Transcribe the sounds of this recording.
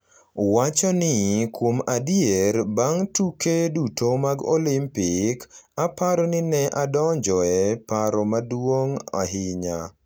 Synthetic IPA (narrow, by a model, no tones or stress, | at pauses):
wat͡ʃɔnɪkwomadjeɾbaŋtukedutʰomaɡo̰limpɪkapaɾɔnɪnɛʔadɔɲd͡ʒɔɛpaɾɔmadwoŋa̰ɦɪɲa